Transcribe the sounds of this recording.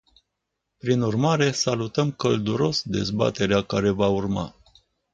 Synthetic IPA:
pɾinurmaɾe̞salut̪əmkəld̪uɾo̞sd̪e̞̰zba̰t̪e̞ɾeakaɾe̞vaurma̰

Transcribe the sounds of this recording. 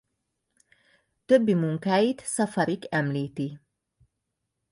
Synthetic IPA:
t̪øbːimuŋkaːjit̪sɒfɒɾikɛmliːt̪i

